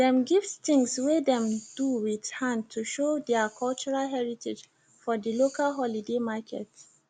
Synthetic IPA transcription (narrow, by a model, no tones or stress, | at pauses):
dɛ̃mɡivst̪ĩŋswedɛ̃md̥uwidhãnd̚tʰuʃodɛakʰɔlt͡ʃuɹalɦɛɹitʰed͡ʒ | fɔdilokalɦɔlidemakʰɛ̰t